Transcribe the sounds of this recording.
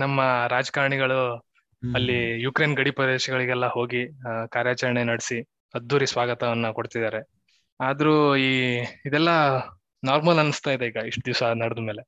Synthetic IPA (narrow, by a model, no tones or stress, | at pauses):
nɐmːɐɾaːd͡ʒɐ̥kaːɾɳiɡɐɭu | ɐlːijukɾe̞ːnɡɐɽipɾɐd̪eːʃɐɡɐɭiɡɛlːɐho̞ːɡikaːɾjaːt͡ʃɐɾɐɳenɐɽesi | ɐd̪ːuːɾisʋaːɡɐt̪ɐʋɐnːɐkoɽt̪id̪aːɾe | aːd̪ɐɾuiːid̪ɛlːɐ | naːɾmɐlɐnust̪aːid̪eiːɡɐiʂʈud̪iʋsɐnɐɽɐd̪umeːle̞